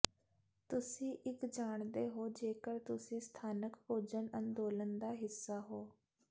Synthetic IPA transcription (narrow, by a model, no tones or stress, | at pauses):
t̪ʊsĩːʔɪkd͡ʒaːɳ̃d̪eːɦoːd͡ʒeːkəɽt̪ʊsĩːst̪ʰaːnəkpoːd͡ʒənənd̪oːlənd̪aːɦɪsːaːɦoː